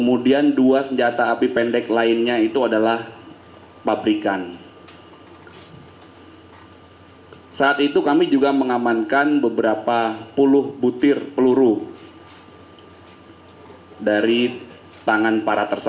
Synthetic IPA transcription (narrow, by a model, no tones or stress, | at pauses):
kəmudianduasəɲd͡ʒat̪aːpipɛndɛklaɪnɲait̪uadalah | pabɾikan | saːt̪it̪ukamid͡ʒuɡaməŋamankanbəbəɾapapulʊhbut̪ɪrpəluɾu | daɾi | t̪aŋanpaɾat̪ərs